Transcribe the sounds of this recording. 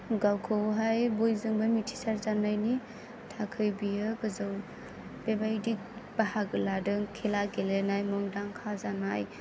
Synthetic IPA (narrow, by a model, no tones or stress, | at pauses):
ɡawkʰɯɦajbojzɯŋbamitʰi̥saɾzanajni | tʰakʰɯjbijɯɡɯzɯw | b̥ebajdik̚bahaɡɯladɯŋkʰelaɡelenajmɯŋdaŋkʰazanaj